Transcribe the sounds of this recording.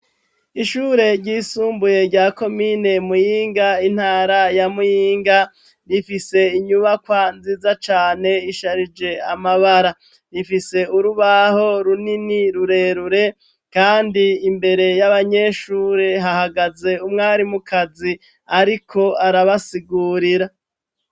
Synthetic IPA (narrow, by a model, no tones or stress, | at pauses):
iʃuːɾe̞ɾɟiːsuːmbuje̞ɾɟaːko̞mine̞mujiːŋɡain̥haːɾajamujiːŋɡa | ɾifise̞iɲuβakwanziːzat͡ʃaːne̞iʃaɾid͡ʒe̞amaβaɾa | ɾifise̞uɾuβaho̞ɾuniniɾuɾe̞ɾuɾe̞ | kaːndiːmbe̞ɾe̞jaβaɲe̞ːʃuːɾeɦahaɡaze̞umŋaːɾimukʰazi | aɾikʰo̞aɾaβasiɡuːɾiɾa